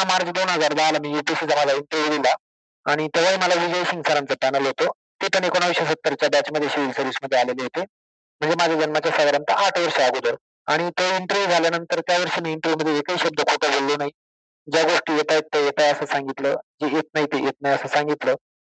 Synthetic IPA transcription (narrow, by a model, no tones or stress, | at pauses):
maɾd͡zd̪onɦəd͡zaɾd͡z̪ʱaləmiːjupisiːd͡zamad͡zʱaiɳʈəɾʋud̪ila | aɽ̃it̪eʋ̤aiːməlaɦid͡ʑejɕiŋɡsaɾant͡səpanəlɦot̪o | t̪iːpəɳekoɽ̃aʋeɕəs̬ət̪ːəɾt͡ɕjabat͡ɕməd̪ʱjeɕiʋilsəɾʋisməd̪ʱːjealeleɦot̪e | m̤əɳd͡zemad͡ʑʱad͡ʑənmat͡ɕjasəɡəɾant̪əaʈʰʋəɾʂəaɡod̪əɾ | aɽ̃it̪oiɳʈəɾʋud͡zʱaljanənt̪əɾt̪jaʋəɾʂiːmiːɳʈəɾʋuməd̪ʱːjeːkəiɕəb̚d̪əkʰoʈəbʱolːonaɦi | d͡ʑjaɡoʂʈiːjet̪ajt̪ːejet̪ajəsəːsãŋɡit̪ləd͡ʑejet̪̚nait̪ejet̪̚najəsəːsaŋɡit̪ləː